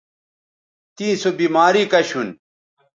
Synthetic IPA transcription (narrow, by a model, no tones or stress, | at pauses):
t̪ĩːsobiːmaːɾikɐɕun